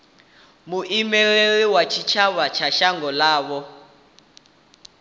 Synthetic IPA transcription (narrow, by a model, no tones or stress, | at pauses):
muʔimɛɺeɺiwat͡ʃʰit͡ʃʰaβat͡ʃʰaʃaŋɡɔlaːβɔ